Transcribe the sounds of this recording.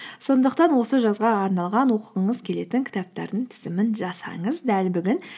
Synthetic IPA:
so̞nd̪əqt̪ɑnwo̞səʒɑzʁɑːɾnɑlˠʁɑnwo̞quʁəɴəzkʲʰe̞le̞t̪ɪŋkʲʰɪ̥t̪ɑp̚t̪ɑ̰ɾd̪əɴt̪ʰɪ̥zɪmɪnʒɑsɑ̰ɴəzd̪ælbʏɡʲɪn

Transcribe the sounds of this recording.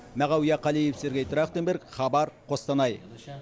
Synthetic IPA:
mæʁɑwijɑqʰɑlijefseɾɡʲejt̪ʰɾɑχt̪embeɾkχɑbɑɾqʰo̞st̪ɑnɑj

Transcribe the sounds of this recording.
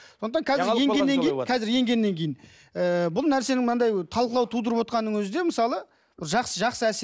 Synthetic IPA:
sonət̪ɑɴkʰɑzɪɾeŋɡeːe̞ŋʲejnkʰɑzɪɾje̞ŋɡʲe̞nːe̞ŋkʲʰe̞jin | əbʊlˠnæɾse̞nɪŋmənɑnd̪ɑjt̪ʰɑlˠqəlˠɑwt̪ʰud̪əɾəpwo̞t̪qɑnːəŋwɵzɪd̪e̞məsɑlˠə | bɪɾˠʒɑqsəʒɑqsəæse

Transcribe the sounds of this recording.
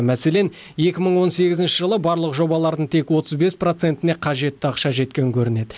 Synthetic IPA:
mæse̞le̞n | je̞kʲɪməɴwo̞nse̞ɡʲɪzɪnʃɪʒəlˠəbɑɾlˠəqʒo̞bɑlˠɑɾd̪əɴt̪ʰe̞kwo̞t̪əzbe̞spro̞t̪se̞nt̪ɪne̞qʰɑʒe̞t̪ːɪɑqʃɑʒe̞t̪̚kʲe̞ŋkʲʰɵɾɪne̞d̪ɪ

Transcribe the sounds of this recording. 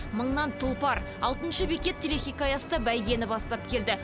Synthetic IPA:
məɴnɑnt̪ʰʊlˠpɑɾ | ɑ̰lˠt̪ənʃəbekʲe̞t̪ʲʰːelexʲijkajɑsəd̪ɑbæjɡ̪ʲe̞nɪbɑst̪ɑp̚kʲʰe̞ld̪ɪ

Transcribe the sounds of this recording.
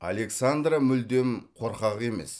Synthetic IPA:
a̰le̞ksand̪ramʏld̪e̞mqʰo̞ɾqɑʁe̞me̞̰s

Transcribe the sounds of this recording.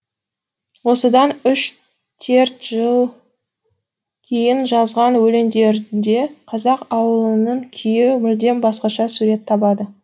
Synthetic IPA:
wo̞səd̪ɑnʏʃ | t̪ʰe̞ɾt̪ʒəlˠ | kʲʰe̞jɪnʒɑzʁɑnwɵle̞nd̪e̞ɾd̪e̞qʰɑzɑqɑwəlˠənəɴkʲʰejɪmɪld̪e̞nbɑsqɑʃɑsuɾe̞t̪ʰːɑbɑd̪ə

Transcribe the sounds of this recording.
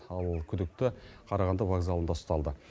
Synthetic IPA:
ɑlˠkʲʰʏd̪ɪk̚t̪ɪqʰɑɾɑʁɑnd̪ɑvaɡzɑlˠənd̪ɑ̥st̪ɑlˠd̪ə

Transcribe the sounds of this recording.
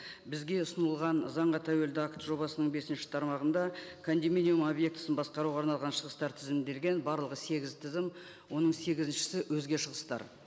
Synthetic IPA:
bɪzɡʲe̞ʊsənəlˠʁɑnzɑɴʁɑt̪ʰæwe̞ld̪ɪakt̪ʒo̞bɑsənəɴbe̞sɪnʃɪ̥t̪ʰɑɾmɑʁənd̪ɑkʰond̪imʲinʲijumo̞bje̞k̚t̪ə̥sənbɑsqɑɾuwʁɑɾnɑlˠʁɑnʃəʁəst̪ɑɾt̪ʰɪzɪmɪnd̪e̞lɡʲe̞nbɑɾlˠəʁəse̞ɡʲɪzt̪ʰɪzɪm | wo̞nəɴse̞ɡʲɪzɪnʃɪ̥sɪwɵzɡʲe̞ʃəʁəst̪ɑ̰ɾ

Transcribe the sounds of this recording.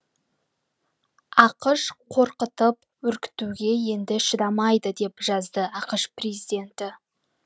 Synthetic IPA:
ɑqəʃqʰo̞ɾqət̪əp̚ | wɵɾkʲɪ̥t̪uɡʲe̞je̞nd̪ɪʃəd̪ɑmɑjd̪əd̪e̞pʒɑzd̪əɑqəʃprezid̪ʲe̞nt̪ɪ

